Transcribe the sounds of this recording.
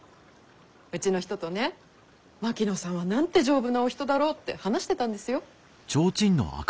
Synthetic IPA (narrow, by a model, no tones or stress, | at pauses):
ɯ̟t͡ɕino̞çi̥t̪o̞t̪o̞ne̞ | makʲinosãɰ̃βanãnt̪e̞ʑo̞ːbɯ̟naoçʲi̥t̪o̞d̪aɾo̞ːt̪ːe̞̰hanaɕi̥t̪e̞t̪ãnd̪e̞sɨjo̞ | t͡ɕo̞ːt͡ɕĩnːo̰a̰k